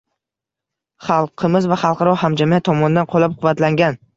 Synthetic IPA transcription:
χɑlˠqʰɨmɪzvaχɑlˠqʰɑɾɒhamd͡ʒamiat̪ʰːɒmɒnɪd̪anqʰolˠap̚qʰʊvːat̪laŋɡʲan

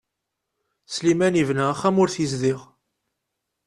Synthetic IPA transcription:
slimænivnaæχːæmʊɾθizðiʁ

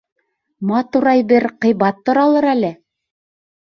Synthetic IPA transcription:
mɑt̪uɾɑjbɘɾqɤ̆jβɑt̪ːŏɾɑlˠɤɾælɘ

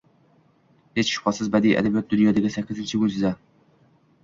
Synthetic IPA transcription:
het͡ʃʃu̥qʰɑsɨzbɛd̪ijʔɛ̰d̪ɛbijɛt̪̚d̪ynjɑːd̪ɪkʲisɛkʲːɪzɪnt͡ʃʰiɡynʲsɪzɛ

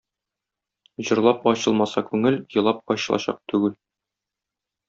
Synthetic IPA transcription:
ʑɤ̆ɾlˠɑpɒɕɤlˠmɑsɑkʉŋɘljɤ̆lˠɑp̚ɒɕɤ̆lˠɑ̰ɕɑ̰q̚t̪ʉɡɘl

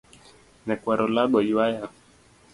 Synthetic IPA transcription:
nɛkwaɾɔlaɡɔjiwaja

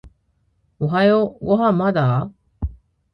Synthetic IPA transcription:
oɦajoɡoɦamːad̪a

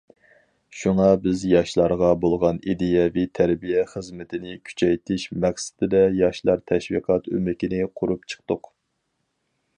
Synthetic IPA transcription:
ʃuŋɑbɪzjɑʃlˠɑɾʁɑbolˠʁɑnid̪ejɛvɪt̪ʰæɾbijɛχəzmɪt̪ʰɪnɪkʲʰy̥t͡ʃʰɛjt̪ʰɪʃmɛχsɪ̥d̪̥ɪd̪ɛjɑʃlˠɑɾt̪ʰɛʃwḭqʰɑt̪ø̰mɪkʲinɪqʰʊɾupt͡ʃʰə̥q̚t̪ʊq

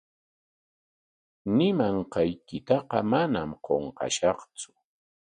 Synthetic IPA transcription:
nɪmaɴqɑjkɪt̪ɑqɑmanamqoɴqɑ̰ʃɑχt͡sʊ̥

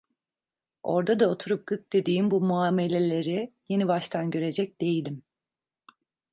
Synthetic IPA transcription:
o̞ɾd̪ad̪ao̞t̪ʰuɾup̚ɡ̥ɯk̚d̪̥e̞d̪iːmbumuaːme̞lʲe̞lʲe̞ɾije̞nibaʃt̪ʰanɟø̞ɾe̞d͡ʒɛc̚d̪̥e̞jilʲim

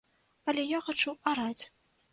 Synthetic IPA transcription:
ɐlʲɛjaxat͡ʂuaɾat͡sʲ

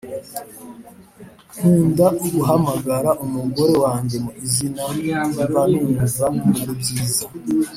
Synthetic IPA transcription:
huːndauɡuɦamaɡaɾaʔumuɡo̞ɾe̞waːɲɟemuizinamemiβanuːŋɡuvamuuɾubɟiːza

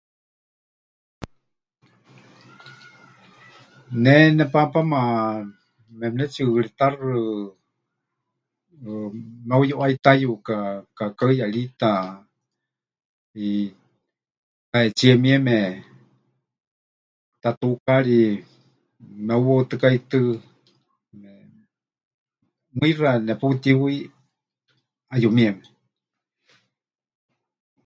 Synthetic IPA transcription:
nɛnɛpapama | mɛmnɛt͡ʃiɺit̪arɨ | mɛujuʔait̪ajukakakaɨjaɺit̪a | i | t̪aɛt͡ʃiɛmiɛmɛ | t̪at̪ukaɺi | mɛuwot̪ɨkait̪ɨ | mɛ | mɨiranɛput̪iwi | ajumiɛmɛ

